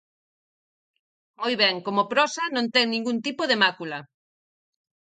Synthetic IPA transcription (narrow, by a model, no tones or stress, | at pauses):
mojβɛŋkomopɾɔsɐnõnt̪ɛŋnĩŋɡunt̪ipoðemakulɐ